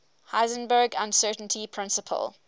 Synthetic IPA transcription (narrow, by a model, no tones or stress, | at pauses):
haɪzə̃nbəːɡãnsɜːˑtʔntʰipʰɹ̥ɪ̃nsəpʰə̰lˠ